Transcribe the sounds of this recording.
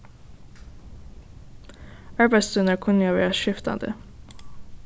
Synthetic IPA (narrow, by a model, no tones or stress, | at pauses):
ɑɹbæɪsʉnəɹkʰʊnjoːʋæ̰ːɹɑʃɪft̪ɑ̰nd̪ə̰